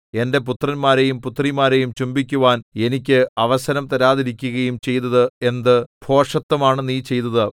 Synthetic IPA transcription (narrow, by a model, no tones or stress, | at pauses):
e̞nde̞p̬ut̪rɐnmaːɾe̞jumput̪ːrimaːɾe̞jumt͡ɕumbikʲːuʋaːne̞nik̬ʲːɨɐʋɐsɐnɐmt̪ɐɾaːðiɾikʲːuɣɐjumt͡ɕe̞jt̪ːɐðɨe̞nd̪ɨb̥ʱo̞ːʂɐt̪ːɐmaːɳeniːt͡ɕe̞jt̪ɐðɨ